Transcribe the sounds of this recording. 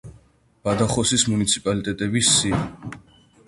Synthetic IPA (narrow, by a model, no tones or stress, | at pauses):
b̥ad̪aχɔsismunit̪sʰi̥pʼalit̪ʼɛt̪ʼɛbisːi